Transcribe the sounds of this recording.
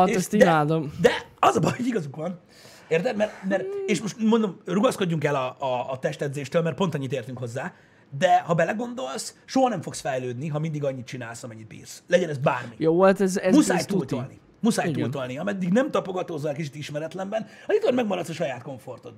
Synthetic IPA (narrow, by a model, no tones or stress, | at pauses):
eɛsid̪aːd̪omd̪ɛɒzɒbɒjhoɟiɡɒzukʋɒn | eːrt̪ɛt̪mɛrmɛreːʃmo̞ʃt̪mo̞nd̪o̞mruɡɒsko̞ɟːuŋkɛlɒːt̪ɛʃt̪ɛd̪zeːʃt̪øːlmɛrt̪̚po̞nt̪ɒɲːit̪eːrt̪yŋkho̞zːaː | d̪ɛhɒbɛlɛɡo̞nd̪o̞lsʃoɦɒnɛɱfo̞ksfɛjløːd̪niɦɒmind̪iɡɒɲːit̪̚t͡ʃina̰ːlsɒmɛɲːit̪̚bḭːrslɛɟɛnɛzbaːrmijoːvolt̪ɛzɛmusaːjt̪ult̪olnḭ | musaːjt̪uːlt̪olniɒmɛd̪ːiɡnɛmt̪ɒpoɡɒt̪ozːɒɛlkit͡ʃit̪iʃmɛɾɛt̪lɛmbɛn | ɒzit̪kɒrmɛɡmɒɾɒt̪sɒʃɒjaːt̪ko̞ɱfo̞rt̪o̞̰t̪